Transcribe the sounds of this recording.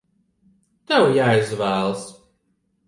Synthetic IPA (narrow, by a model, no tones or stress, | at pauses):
t̪awjajzvæːlˠs